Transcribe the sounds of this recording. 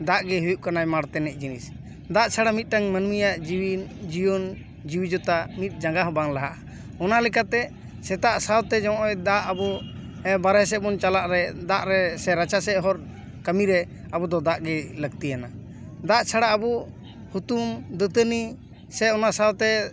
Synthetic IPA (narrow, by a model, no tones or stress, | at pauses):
d̪aʔɡɛɦujuʔkanajmaɽt̪ɛnɛc̚ˀd͡ʒinis | d̪aʔt͡ʃʰaɽamit̪̚ˀʈaŋmənmijaʔd͡ʒiwind͡ʒijɔn | d͡ʒiwid͡ʒɔt̪amit̪̚ˀd͡ʒaŋɡaɦɔbaŋlaɦaʔa | ɔnalɛkat̪ɛ | sɛt̪aʔsawt̪ɛd͡ʒaw̃ʔɛd̪aʔabɔ | ɛbaɾɛs̬ɛbɔnt͡ʃalaʔɾɛd̪aʔɾɛsɛɾat͡ʃasɛʔɦɔɾ | kəmiɾɛ | abɔd̪ɔd̪aʔɡɛləɡt̪ijana | d̪aʔt͡ʃʰaɽaabɔ | hut̪umd̪ət̪əni | sɛɔnasawt̪ɛ